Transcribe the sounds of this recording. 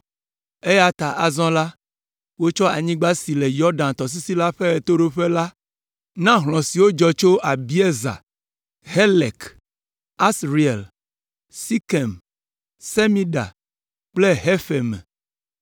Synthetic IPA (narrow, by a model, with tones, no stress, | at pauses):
e˦ja˨t̪a˨ʔa˨zɔ̃˦la˦ | wo˦t͡ʃɔ˦a˨ɲĩ˦ɡ͡ba˦si˨le˨jɔ˦ɖã˨nt̪ɔ˨s̬i˦si˦la˦ɸe˦ɛ˨t̪o˦ɖo˦ɸe˦la˦ | nã˦ɦlɔ̃˨si˨wo˦d͡ʒɔ˨t͡ʃo˦ʔa˨bi˦e˦za̰˨ | ɦe˦le˨k | a˦sɾi˨ḛ˨l | si˦ke˨m | se˦mĩ˦ɖa̰˨ | k͡ple˦ɦe˦fe˨mɛ̰̃˨